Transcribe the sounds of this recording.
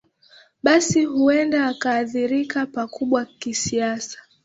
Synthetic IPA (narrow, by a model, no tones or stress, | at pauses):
ɓasiɦuɛndaːkaːθiɾikapakuɓwakisiasḁ